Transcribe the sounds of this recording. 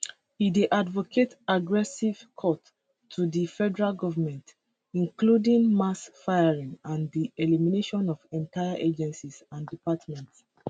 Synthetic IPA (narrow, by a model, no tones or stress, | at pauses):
ideʔadvokʰetaɡɹɛsiv̥kʰɔtʰː | udifɛdəɹalɡɔvəmɛ̃nt | ĩŋkludĩŋmasfajaɹĩŋãndielimineʃɔ̃nɔvɛ̃ntʰaɪaʔed͡ʒɛ̃nsisãndipatmɛ̃nts